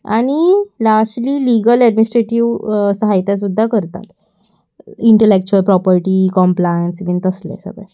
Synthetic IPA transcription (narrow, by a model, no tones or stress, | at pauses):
aɽ̃ilaʂʈliːliɡəlɛɖminisʈɾeʈiʋsəɦajt̪jas̬ud̪ʱːakəɾt̪a̰t̪ | iɳʈelek̚t͡ɕuəlpɾɔpəɾʈiːkɔmplajənsʋint̪əslḛsə̰ɡɭḛ̃